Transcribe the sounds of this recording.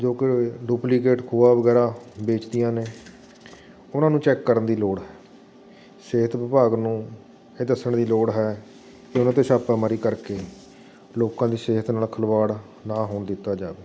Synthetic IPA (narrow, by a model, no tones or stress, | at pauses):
d͡ʒoːkɪɖuːplikeːʈkʰuːaːʋəɡɛːɾaːbeːt͡ʃd̪ijãːneː | ʊnãːnũːt͡ʃɛːkːəɾənd̪iːloːɽɦɛː | seːɦət̪ʋɪpaːɡnũː | eːd̪əsəɳd̪iːloːɽɦɛː | kɪʊnãːt̪eːʃaːpɛːməɾiːkəɾkeː | loːkãːd̪iːseːɦət̪naːlkʰəlʋaːɽ | naːɦoːɳd̪ɪt̪ːaːd͡ʒaːʋeː